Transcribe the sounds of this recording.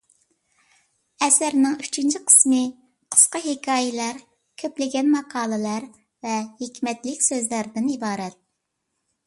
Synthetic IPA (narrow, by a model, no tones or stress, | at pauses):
ɛsæɾnɪŋyt͡ʃʰint͡ʃʰiqʰə̥smɨ | qʰə̥sqɑɦekʲʰɑːjɪlˠæɾ | kʲʰøplɪɡʲɛnmɑqʰɑːlˠɨlˠɑɾ | vɛhekʲmɛt̪lɪkʲsøzlæɾd̪ɪnibɑːɾɛt̪̚